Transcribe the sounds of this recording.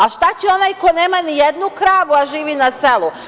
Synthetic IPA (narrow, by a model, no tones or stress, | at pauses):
aʃt̪at͡ɕeo̞najko̞jne̞ːmanijed̪nukɾaːʋaʒiːʋinase̞lˠu